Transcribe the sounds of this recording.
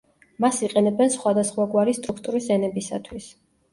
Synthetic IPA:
masiqʼɛnɛbɛnsχwad̪asχwaɡwaɾist̪ʼɾukʰt̪ʼuɾisɛnɛbisa̰t̪ʰwis

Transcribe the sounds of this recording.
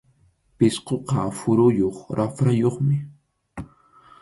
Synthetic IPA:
pɪsqoqɑfʊɾʊjoχɾafɾajoχmɪ

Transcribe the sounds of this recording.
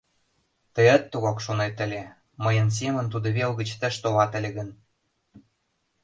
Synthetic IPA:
t̪əjə̆t̪ːuɣɑkʃonet̪ə̆lʲe | məjə̆ns̬emə̆nt̪ud̪ɤ̆βelɣə̆t͡ɕt̪ə̆ʃt̪olɑt̪ə̆lʲeɣə̆n

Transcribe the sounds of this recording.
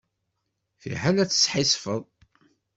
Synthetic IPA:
θḭħælæt͡sːə̥sħisfəðˤ

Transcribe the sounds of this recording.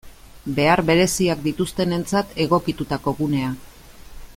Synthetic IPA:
be̞aɾβe̞ɾe̞siak̚d̪it̪ust̪e̞ne̞nt͡sat̪ʰe̞ɣ̞o̞kit̪ut̪ako̞ɣune̞a

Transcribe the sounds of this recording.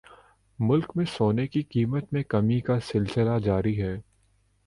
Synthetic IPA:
mʊlkmẽsoːnekikiːmət̪mẽkɐmikasɪlsɪlad͡ʒaːɾiɦɛː

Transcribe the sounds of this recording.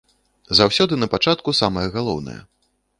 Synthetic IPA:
zawsʲɔd̪ɨnɐpat͡ʂat̪kusamɐjɛɣalˠɔ̰wnɐ̰jɛ̰

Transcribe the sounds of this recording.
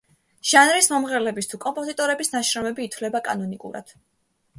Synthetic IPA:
ʒ̥anɾismɔmʁɛlɛbist̪ʰukʼɔmpʼɔzit̪ʼɔɾɛbisnaʃɾɔmɛbiːt̪ʰwlɛbakʼa̰nɔnikʼṵɾa̰d̪̥

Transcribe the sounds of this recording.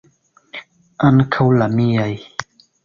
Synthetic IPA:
ʔankʰawlamiaj

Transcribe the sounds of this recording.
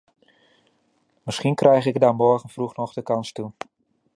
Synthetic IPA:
məsxinkrɛjxɪɡdamɔɹɣənfruxnɔxdəkɑnstu

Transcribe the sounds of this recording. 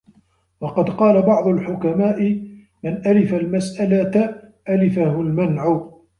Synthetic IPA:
wɑqɑd̪qɑːlabɑʕd̪ˤʊlħʊkamaːʔɪ | manʔalɪfalmasʔalaʔalɪfahʊlmanʕʊ

